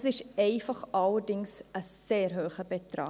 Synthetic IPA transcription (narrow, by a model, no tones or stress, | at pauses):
sɪʃɛɪfɑχɑlərdɪŋsəseːrɦøːχəbetrɑ̰ː